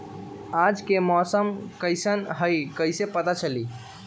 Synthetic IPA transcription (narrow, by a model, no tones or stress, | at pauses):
ad͡ʒkemɔsəmkəjsənɦəjkəjsepət̪at͡ʃəli